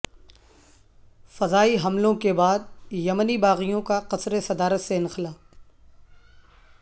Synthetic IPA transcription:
fɐzaːiɦɐmlõkebaːd̪̚jɐmənibaːɣijõkaqɐsɾesɐd̪aːɾət̪seɪ̃nxɪlaːf

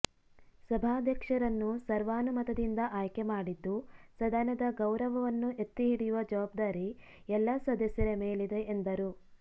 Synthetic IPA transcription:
sɐbʱaːd̪ʱjɐkʂɐɾɐnːusɐɾʋaːnumɐt̪ɐd̪ind̪ɐʔaːjkemaːɽid̪ːusɐd̪aːnɐd̪ɐɡɐwɾɐʋɐʋɐnːuʔet̪ːiɦiɽijuʋɐd͡ʒɐʋaːb̚d̪aːɾi | ɛlːɐsɐd̪ɐsjɐɾemeːɭid̪e̞ʔːnd̪ɐɾu

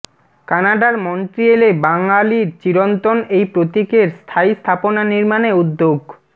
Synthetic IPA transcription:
kanaɖaɾmonʈɾielebaŋaliɾt͡ɕiɾont̪onejpɾot̪ikeɾst̪ʰaist̪ʰaponaniɾmaneud̪ːoɡ

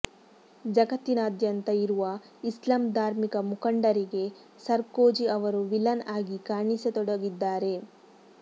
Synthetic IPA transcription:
d͡ʒɐɡɐt̪ːinaːd̪jɐnt̪ɐiɾuʋɐ | islaːmd̪ʱaːɾmikɐmukɐɳɖɐɾiɡe̞ | sɐɾkoːd͡ʒiɐʋɐɾuʋilɐnaːɡikaːɳiset̪ɔɽɐɡid̪ːaːɾe̞

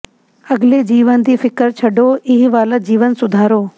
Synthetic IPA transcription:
ɐɡled͡ʒiːʋənd̪iːfɪkəɾt͡ʃʰɐɖoːʔɪɦiʋaːləd͡ʑiːʋənsʊd̪ʱaːɾoː

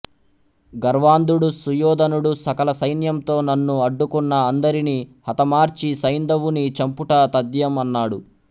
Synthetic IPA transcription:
ɡɐɾʋaːnd̪uɽusujɔːd̪ɐnuɽusɐkɐlɐsɐjnjɐmt̪o̞ːnɐnːuɐɖːukunːɐːnd̪ɐɾinihɐt̪ɐmaːɾt͡ʃisɐjnd̪ɐʋunit͡ʃɐmpuʈɐt̪ɐd̪jɐmɐnːaːɽu

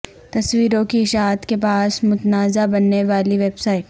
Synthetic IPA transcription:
t̪ɐswiːɾõkiɪʃaːt̪kepaːsmʊt̪naːzabɐnːeʋaːliʋeːbsaːɪʈ

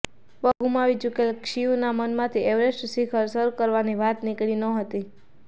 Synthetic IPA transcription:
ʋəɡʱumaʋid͡ʒukelkʃiũnamənmãt̪ʰiɛʋɾesʈsikʰəɾsəɾkəɾʋaniʋat̪nikɭinəɦət̪i

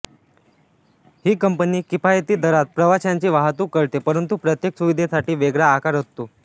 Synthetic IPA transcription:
hiːkəmpəniːkipajet̪iːd̪əɾat̪̚pɾəʋaɕjaɲt͡ɕiːʋaɦt̪uːkəɭt̪epəɾənt̪upɾət̪jeksuʋid̪ʱesaʈiːʋeɡɾaːkaɾɦot̪ːo

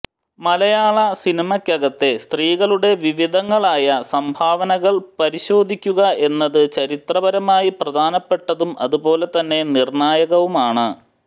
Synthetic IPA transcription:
mɐlɐjaːɭɐsinimɐkʲːɐɣɐt̪ːe̞st̪riːɣɐɭuɽe̞ʋiʋid̪ʱɐŋːɐɭaːjɐsɐmbʱaːʋɐnɐɣɐɭpɐɾiɕo̞ːd̪ʱikʲːuɣɐe̞nːɐðɨt͡ɕɐɾit̪rɐbɐɾɐmaːjiprɐd̪ʱaːnɐpːe̞ʈːɐðumʔɐ̰ðubo̞ːle̞t̪ɐnːe̞nirɳaːjɐɣɐʋumaːɳɨ

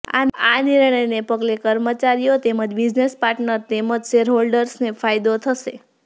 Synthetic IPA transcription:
a̰aniɾɳəjnepəɡlekəɾmət͡ʃaɾijot̪eməd͡ʒbid͡ʒnespaɾʈnəɾt̪eməd͡ʒʃeɾɦolɖəɾsnefajd̪ot̪ʰəʃe

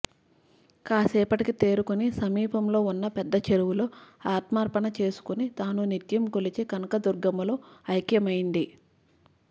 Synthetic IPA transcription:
kaːsɛːpɐʈikit̪e̞ːɾukunisɐmiːpɐmlo̞ːunːɐpɛd̪ːɐt͡ʃeɾuwuloːaːt̪maːɾpɐɳɐt͡ʃe̞ːsu̥kunit̪aːnunit̪jɐmkolit͡ʃeːkɐnɐkɐd̪uɾɡɐmuloːɐjkjɐmɐjind̪i

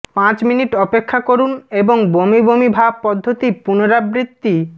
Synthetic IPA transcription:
pãt͡ɕminiʈɔpekʰːakoɾuneboŋbomibomibʱab̚pɔd̪ʱːot̪ipunoɾabɾit̪ːi

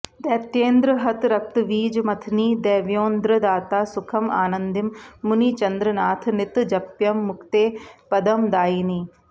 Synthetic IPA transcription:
d̪ɛːpt̪eːnd̪ɾəɦɐt̪ɾɐk̚t̪ʋiːd͡ʒmɐt̪ʰniːd̪ɛːʋjoːnd̪ɾəd̪aːt̪aːsʊkʰɐma̰ːnɐnd̪ɪmːʊnit͡ʃɐnd̪ɾɐnaːt̪ʰnɪt̪d͡ʒɐpjɐmːʊkt̪eːpɐd̪ɐmd̪aːiniː

